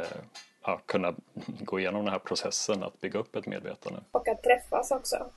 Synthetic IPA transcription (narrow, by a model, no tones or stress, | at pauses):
jɑːkʰɵnːaɡoːɪjeːnɔmd̪ɛnɦæːɾpʰɾʊsɛsːəna̰t̪bʏɡːaɵpːɛt̪mḛːd̪vḛːt̪ʰand̪ə̰ɔkat̪ʰːɾɛfːasɔksɔ̰